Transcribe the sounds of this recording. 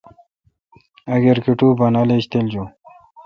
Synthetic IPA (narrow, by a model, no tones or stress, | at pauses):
ɐɡeɾkiʈubanaleɕt̪eld͡ʑo